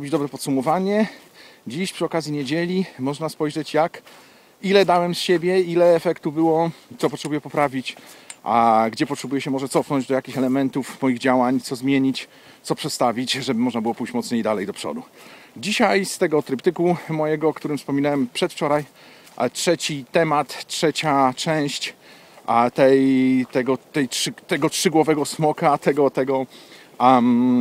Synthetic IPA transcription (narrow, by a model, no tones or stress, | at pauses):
ɾbʲid͡ʑd̪ɔbɾɛpɔt̪sumɔvaɲɛ | d͡ʑiɕpʂɨɔkazʲjiɲed͡ʑelʲimɔʐnaspɔjʐɛt͡ɕjak | ilɛd̪awɛmsɕebʲjɛilɛːfɛkt̪ubɘwɔt̪sɔpɔtʂɛbujɛpɔpɾavʲit͡ɕʔaɡd͡ʑɛpɔtʂɛbujɛɕɛmɔʐɛt̪sɔfnɔɲd͡ʑd̪ɔjakʲixɛlɛmɛnt̪ufmɔjiɣd͡ʑawaɲt̪sɔzmʲjeɲit͡ɕ | t̪sɔpʂɛt̪st̪avʲit͡ɕʐɛbɘmɔʐnabɘɨwɔpujɕt͡ɕmɔt̪sɲejid̪alɛjd̪ɔpʂɔ̰d̪u | d͡ʑiɕajst̪ɛɡɔt̪ɾɘpt̪ɘkumɔjɛɡɔkt̪uɾɘmfspɔmʲinawɛmpʂɛt̪ft͡ʂɔɾaj | tʂɛt͡ɕit̪ɛmat̪ːʂɛt͡ɕat͡ʂɛ̃w̃ɕt͡ɕ | t̪ɛjt̪ɛɡɔt̪ɛjʂt̪ɛɡɔtʂɘɡwɔvɛɡɔsmɔkat̪ɛɡɔt̪ɛɡɔ